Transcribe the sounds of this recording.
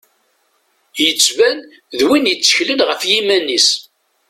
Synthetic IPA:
jət͡sːvæn | ðwinjət͡sːə̥çlənʁəfjimænːis

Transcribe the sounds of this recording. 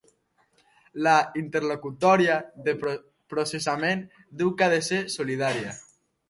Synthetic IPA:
laint̪eɾlokut̪ɔɾjaðe | pɾosesamẽn | d̪uwkaðesesoliðaɾja

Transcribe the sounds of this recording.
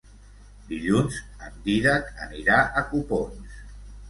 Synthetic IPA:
d̪iʎunz | ənd̪iðət̪əniɾaʔəkupons

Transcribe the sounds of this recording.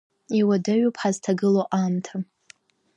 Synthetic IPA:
iwadaɥupʰħaztʰaɡɨloʔamtʰa

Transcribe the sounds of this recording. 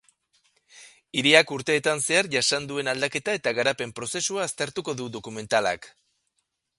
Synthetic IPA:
iɾiakuɾt̪e̞ːt̪anse̞aɾʝasand̪ue̞nald̪ake̞t̪ae̞t̪aɣaɾape̞mpɾo̞se̞suaːst̪e̞ɾt̪uko̞ðuðo̞kume̞nt̪ala̰k

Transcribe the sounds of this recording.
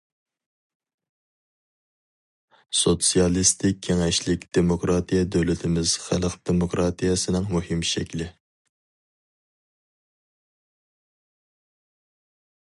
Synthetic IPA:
sot̪sijɑlˠist̪ʰɪkʲʰːeŋɛʃlɪkʲd̪̥emokɾɑt̪ʰijɛd̪øwlɪt̪ʰɪmɪz̥χælˠqd̪̥emokɾɑt̪ʰijɛsɨnɨŋmuhɪmʃɛkʲlɪ

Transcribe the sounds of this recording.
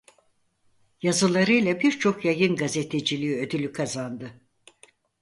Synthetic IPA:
jazɯlˠaɾɯjlˠabiɾt͡ʃʰo̞kjajɯnɡaze̞t̪ʰe̞d͡ʒilʲiːød̪ylʲykʰazand̪ɯ

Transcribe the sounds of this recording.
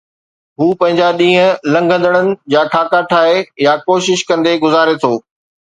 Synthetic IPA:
ɦuːpɐ̃ɦɪ̃ɲd͡ʑaɗĩːɦə̃lɐ̃ŋɡʱə̃nd̪əɽ̃ənɪ̆d͡ʑaːkʰaːkaʈʰaːɦejakoːʃɪʃkɐ̃nd̪eɡʊzaːɾet̪ʰoː

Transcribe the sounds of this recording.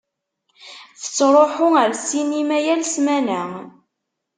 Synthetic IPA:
θə̥t͡sːɾˤoħʊəɾsinimæjælsmænæ

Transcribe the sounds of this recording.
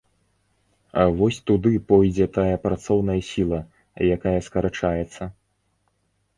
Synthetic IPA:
avɔsʲt̪ud̪ɨpɔjd͡zʲɛt̪ajɐpɾat̪sɔwnɐjɐsʲilˠɐ | jakajɐskɐɾat͡ʂajɛt̪sːɐ

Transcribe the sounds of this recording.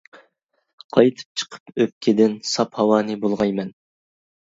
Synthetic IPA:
qʰɑjt̪ʰɨ̥p̚t͡ʃʰə̥qʰə̥pøp̚kʲʰɪd̪ɪnsɑphɑwɑːnɨbolˠʁɑjmɛn

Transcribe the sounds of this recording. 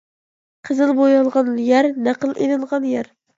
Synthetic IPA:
qʰəzɨlˠbojɑlˠʁɑnjæɾnæqəlˠʔenɨlˠʁɑnjæɾ

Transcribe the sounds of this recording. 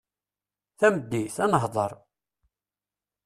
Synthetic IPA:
θæməd̪ːiθænəɦðˤəɾˤ

